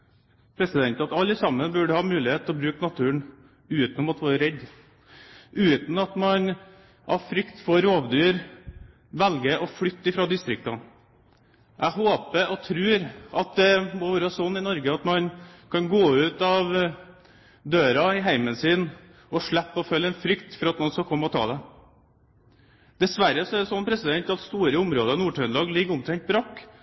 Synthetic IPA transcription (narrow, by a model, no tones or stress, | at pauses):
pʰɾɛsɪd̪ɛnt̪ɑt̪ɑlːəsɑmːənbʉɖəhɑːmʉːlɪheːt̪ʰːɛlɔbɾʉːknɑt̪ʰʉːəɳ | ʉːt̪nɔmɑt̪ʋɑːɾəɾɛd̪ː | ʉːt̪n̩ɑt̪mɑn | ʔɑ̰ʋfɾʏkt̪foːɾoːʋd̪yːɾ | ʋɛlɡəʔɔfɽʏt̪ːəɪfɾɑːd̪ɪst̪ɾɪk̚t̪ɑ | ʔæɦoːpəɔt̪ʰɾʉːɾɑt̪̚d̪ɛmɔʋɔːɾɑːsɔnːɪnɔɾɡəɑt̪mɑnkʰɑnɡoːʉːt̪ɑʋ | d̪øːɾɑɪɦæɪmənsɪn | ɔʂɭæpːɔfœlːəɛnfɾʏkt̪fɔɾɑt̪nɔnskɑkʰɔmːəɔt̪ʰɑ̰ːd̪ɛ | d̪ɛsʋæɾːəsɔæɾɖ̪ɛsɔnːpʰɾɛsɪd̪ɛnt̪ɑt̪st̪uːɾəʊmɾoːd̪ɑnuːʈʰœnlɑːɡlɪɡːʊmt̪ʰɾɛnŋt̪̚bɾɑkː